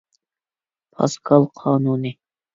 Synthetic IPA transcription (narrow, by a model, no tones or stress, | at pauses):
pʰɑ̰skʰɑlˠqʰɑːnuːnɪ